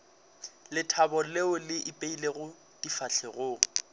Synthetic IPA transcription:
lɪtʰabɔleʊlɪʔipʼeileɣʊ | d̥ifat͡ɬʰeɣʊːŋ̩

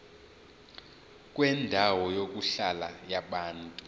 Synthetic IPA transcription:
kʼwɛndʱawɔjok̬ʼuɬalajaɓaːntʼu

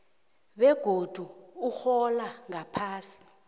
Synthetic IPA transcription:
ɓɛɡ̥ʱod̥ʱuuxɔlaŋapʰaːsi̥

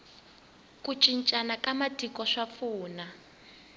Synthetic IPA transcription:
kut͡ʃʼint͡ʃʼanakamatikɔʂap̪fuːna

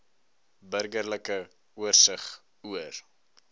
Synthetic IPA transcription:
bərɡərləkə | uərsəχ | uər

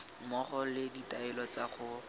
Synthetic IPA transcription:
mɔχɔlɪditaɪlɔt͡saχʊ

